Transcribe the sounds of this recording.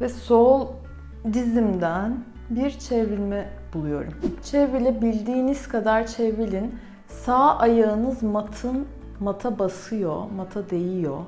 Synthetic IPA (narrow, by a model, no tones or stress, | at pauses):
vɛsolˠ | d̪izimd̪æn | biɾt͡ʃʰevilʲmɛ | bulˠujo̞̰ɾumt͡ʃʰevilʲɛbilʲd̪iːniz̥kʰad̪aɾt͡ʃʰevilʲin | saːʔajɯːnɯzmat̪ʰɯn | mat̪ʰabasɯjo̞̰mat̪ʰad̪ejijo̞